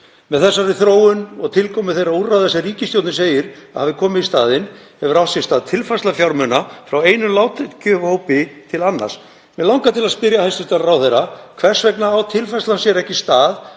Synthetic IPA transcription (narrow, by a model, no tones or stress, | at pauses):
mɛðθɛsːaɾɪθɾoːwʏnɔɣt̪ʰɪlkʰɔːmɪðθejɾaurːaθɛsːariːcɪst̪jowt̪nɪseːjɪɾaðhaːvðɪkʰɔːmɪðist̪aːðɪnhɛvʏɾawht̪sjɛst̪aːðt̪ʰɪlfajslafjawɾmʏnafɾaweːjnʏlaːwt̪ɪcʰœːvhowpɪt̪ʰɪlanːa̰rs | mɛðlawŋkat̪ɪlaðspɪɾjahajst̪ʏst̪aɾraːwθejɾakʰvɛr̥svɛknaawt̪ʰɪlfajslansjɛɾɛhcɪst̪aːð